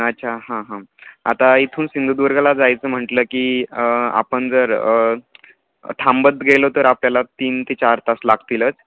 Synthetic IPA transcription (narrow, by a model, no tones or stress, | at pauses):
ət̪ːt͡ɕʰaɦãɦãa̰t̪ait̪ʰuːnsind̪ud̪ʋəɾɡalad͡zajt͡səːm̤əʈləːkiəa̰pəɳd͡zəɾ | t̪ʰambəd̪ɡelot̪əɾapljalat̪iːnt̪it͡ɕaɾt̪aslaɡt̪ilət͡s